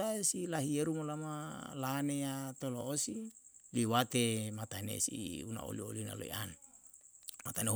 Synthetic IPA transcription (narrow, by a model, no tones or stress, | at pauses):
aesilaɦieɾumolamalanejat̪oloosiliwat̪emat̪anḛsḭuna̰o̰lio̰lina̰lo̰ḭan | mat̪ane